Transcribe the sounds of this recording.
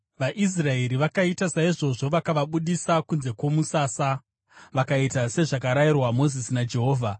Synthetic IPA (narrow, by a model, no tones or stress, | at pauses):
ʋaʔis̬rae̞ɾiʋakaitasaiʐo̞ʐo̞ʋakaʋaɓuɗisakunze̞kwo̞musasa | ʋakaitase̞ʐakaɾairwamo̞zisinad͡ʒe̞ɦoːvʱa